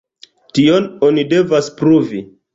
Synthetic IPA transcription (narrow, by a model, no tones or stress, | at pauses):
tio̞no̞nide̞vaspɾuvi